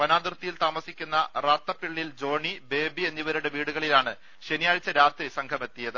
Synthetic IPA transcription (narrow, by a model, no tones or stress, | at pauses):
pɐnaːd̪irt̪ːijilt̪aːmɐsikʲːunːɐraːt̪ːɐpːiɭːild͡ʑo̞ːɳibe̞ːbie̞nːiʋɐɾuɽe̞ʋiːɽuɣɐɭilaːɳɨ | ɕenijaːɻt͡ɕːɐɾaːt̪risɐŋkʰɐme̞t̪ːijɐðɨ